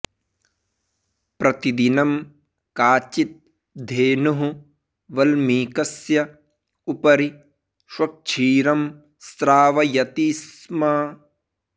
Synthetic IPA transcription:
pɾɐt̪id̪inɐm | kaːt͡ʃit̪̚ | d̪ʱeːnuɦu | ʋɐlmiːkɐsjɐ | upɐɾi | ʃwɐk̚t͡ʃʰiːɾɐm | st̪ɾaːʋɐjɐt̪iːsmɐ

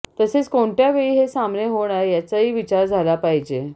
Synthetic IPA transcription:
t̪əset͡skoɳʈjaʋeɭiːɦesamɳeɦoɽ̃aɾjat͡saɦiːʋit͡ɕaɾd͡zʱalapaɦid͡ʑe

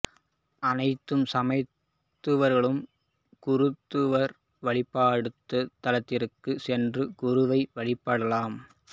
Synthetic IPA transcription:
ʔɐnɐɪt̪ːɯmsɐmɐɪt | t̪ːɯʋɐɾɣɐɭɯm | kʊɾɯt̪ːɯʋɐɾ | ʋɐɭɪpːaːɽɯt̪ːɯt̪ːɐlɐt̪ːɪɾɯkːɯsɛndrɯkʊɾɯʋɐɪʋɐɭɪpːɐɽɐlaːm

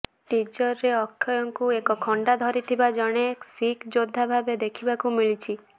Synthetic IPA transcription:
ʈid͡ʒɔɾːeɔkʰːjɔjɔŋkuekɔkʰɔɳɖad̪ʱɔɾit̪ʰibad͡ʒɔɽ̃esikʰd͡ʒod̪ʱːabʱabed̪ekʰibakumiɭit͡ʃʰi

